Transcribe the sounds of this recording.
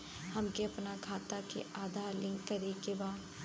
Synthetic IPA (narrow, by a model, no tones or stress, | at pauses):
hɐmkeɐpnakʰaːt̪akḛʔaːd̪ʱaːɾlɪ̃ŋkːɐɾekebaː